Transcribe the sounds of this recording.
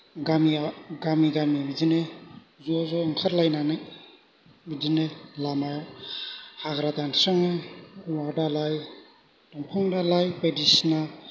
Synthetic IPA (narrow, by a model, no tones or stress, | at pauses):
ɡamiaɡamiɡamibizine | zɔzɔŋkʰatlajnanɯj | bidinelama | haɡɾatanɾaŋewadalaj | dɔŋpʰɔŋdalajpedisna